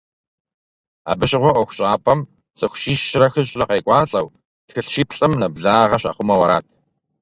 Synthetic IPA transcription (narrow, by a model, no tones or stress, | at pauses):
a̰ːbɨɕʼɪʁʷɔʔʷɔxʷʊɕʼaːpʰɐm | sʼɨxʷʊʃiːʃːɪɾɐxɨɕnɐqeːkʷʼɑːɬʼɐw | txɨɬʃiːpʰɬʼɨmnɐbɮaːʁɐɕa̰ːχʷʊmɐwɐɾa̰ːt̚ʰ